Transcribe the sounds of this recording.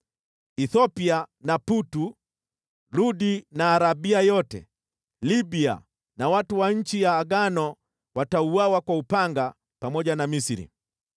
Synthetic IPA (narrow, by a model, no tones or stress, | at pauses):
iθɔpianaputu | luɗinaːɾabiajɔtɛ̰ | libia̰ | nawatuwaɲ̩t͡ʃijaːɡanɔ | watauwawakwaupaŋɡa | pamɔʄanamisiɾḭ